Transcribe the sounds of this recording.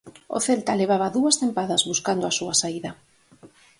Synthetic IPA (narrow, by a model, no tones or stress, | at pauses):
o̰θelt̪aleβ̞aβɐðuɐsθempaðɐzβuskand̪oasuɐsaiðɐ